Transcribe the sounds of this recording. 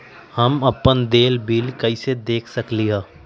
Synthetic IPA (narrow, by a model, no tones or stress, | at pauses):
hɐmɐpːənd̪eːlbiːlkɐised̪eːkʰsɐkliɦaː